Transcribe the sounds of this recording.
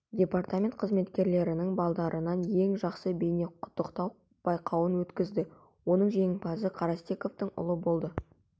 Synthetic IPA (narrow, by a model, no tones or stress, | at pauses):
dʲe̞part̪amʲe̞nt̪̚qʰəzme̞t̪kʲe̞ɾle̞ɾɪnɪŋbɑlˠd̪ɑɾʔənɑnje̞ŋʒɑqsəbejne̞qʰʊ̥t̪ːəqt̪ɑw | b̥ɑjqʰɑwənwɵt̪kʲɪzd̪ɪ | wo̞nəɴʒe̞ŋɪpɑsəqʰɑɾɑst̪e̞ko̞ft̪əŋʊ̰lˠəbo̞lˠd̪ə